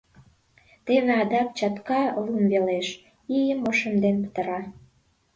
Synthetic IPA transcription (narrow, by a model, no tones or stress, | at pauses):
t̪eβeɑd̪ɑp̚t͡ɕɑt̪kɑlumβeleʃ | ijəmoʃə̆md̪enpə̥t̪ə̆ɾɑ